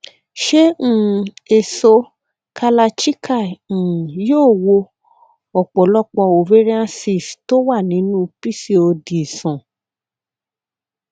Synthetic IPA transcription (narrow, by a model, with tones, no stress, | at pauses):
ʃẽ˦˨e˨so˧ | kʰa˧la˧t͡ʃi˦kʰã˦˨ | joː˦˨wo˧ | ɔ˨k͡pɔ˨lɔ˦k͡pɔ˧o˨ve˦ɾi˦ã˦si˦˨sto˦wa˦˨nĩ˨˦nũ˦pi˦si˦o˧di˨sã˨